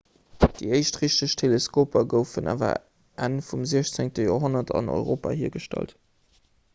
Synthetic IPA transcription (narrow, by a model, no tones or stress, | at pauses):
d̥iəɪʃtʁiʃtəʃtʰeləskʰoːpʰɐɡəʊfəna̰ːvɐ̰ | ʔænfumziəʃt͡seŋtəjoːɦonɐtʰɑ̰no̰ʏʁoːpa̰ːhiːɐɡəʃtæ̰lt